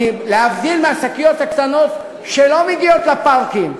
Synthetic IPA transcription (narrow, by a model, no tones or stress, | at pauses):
imlehafd̪ilmeasakijo̞t̪hakt̪anot̪ | ʃelo̞meɡiot̪lepaʁkim